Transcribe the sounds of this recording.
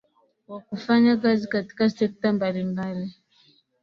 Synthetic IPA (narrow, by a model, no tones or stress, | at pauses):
wakufaɲakazikati̥kasɛk̚tambalimbaɾi